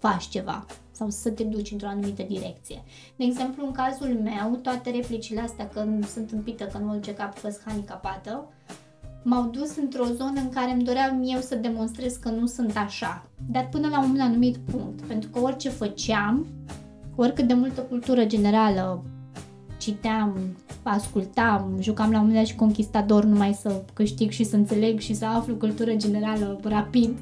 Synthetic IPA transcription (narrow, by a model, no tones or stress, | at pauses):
fat͡ʃʲt͡ʃe̞va̰ | sawsət̪e̞d̪ut͡ʃʲɨnt̪ɾo̞anumit̪əd̪iɾe̞k̚t̪sije̞ | d̪eeɡze̞mpluɨŋkazulme̞wt̪oat̪e̞ɾe̞plit͡ʃile̞ast̪eakəsɨnt̪ɨmpit̪əkənuolt͡ʃekapfəshanikapat̪ə | mawd̪usɨnt̪ɾo̞zo̞nəɨŋkaɾe̞md̪o̞ɾeamije̞wsəd̪e̞mo̞nst̪ɾe̞zkənusɨnt̪aʃad̪at̪̚pɨnəlamumnanumit̪puŋk̚t̪pe̞nt̪ɾukəo̞rʲt͡ʃe̞fət͡ʃeam | orʲkɨt̪̚d̪e̞mult̪əkult̪uɾəd͡ʒe̞ne̞ɾalə | t͡ʃit̪eamaskult̪amʒukamlamomeaʃi̥ko̞ŋkʲist̪at̪o̞rnumajsəkɨʃt̪iɡʃisəɨnt̪se̞le̞ɡʃisəaflukult̪uɾəd͡ʒe̞ne̞ɾalərapid̪